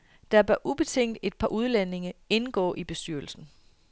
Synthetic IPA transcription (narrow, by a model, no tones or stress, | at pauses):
d̥ɑ̈b̥ɶɐʔub̥e̝t͡sʰeŋ̰d̥e̝d̥̚pʰɑ̈ʔuð̞ˠlene̝ŋɐe̝nəɡ̥ɔ̰̽ːʔib̥e̝sd̥yɐ̰l̩sn̩